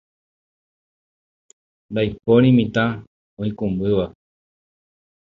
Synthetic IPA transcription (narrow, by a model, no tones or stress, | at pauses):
nd̪ajpoɾ̃ĩmĩt̪ã | õĩkũmbɨʋa